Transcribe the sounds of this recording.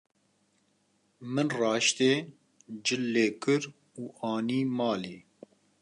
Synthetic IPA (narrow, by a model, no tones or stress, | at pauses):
mɨnrɑːʃt̪eː | d͡ʒɨlːeːkɨɾ | uːɑːniːmɑːliː